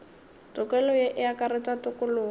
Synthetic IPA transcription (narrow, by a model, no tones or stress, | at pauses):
t͡sʼɔkʼɛlɔjeʔɪakaɾɪtatʊkʊlʊː